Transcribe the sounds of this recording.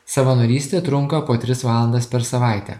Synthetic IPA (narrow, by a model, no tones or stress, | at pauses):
sɐʋɐnoːɾʲiːsʲt̪ʲeːt̪ɾʊŋkɐpoːt̪ʲɾʲɪsʋɑːlˠɐnd̪ɐspʲɛɾsɐʋɑˑɪt̪ʲɛ̰ː